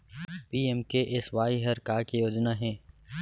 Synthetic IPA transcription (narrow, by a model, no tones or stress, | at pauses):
piːɛmkeʔɪsʋaːiɦɐɾkaːkejoːd͡ʒnaɦɛ̃ː